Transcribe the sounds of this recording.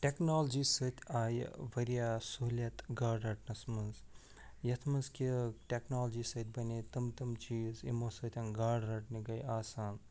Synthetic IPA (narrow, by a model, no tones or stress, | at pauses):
ʈʲeknoːld͡ʒiːsɨt̪ʰʲaːj̰ʋɐɾijaːsulʲɐt̪ɡaːɖɐʈnɐsmɐnz | jɐt̪ʰmɐnzkiʈʲeknoːld͡ʒiːsɐt̪̚ʰʲbɐnet̪ɐmt̪ɐmt͡ʃiːzḭmoːsɐt̪ʰʲɐnɡaːɖɾɐʈniɡɐjaːsaːn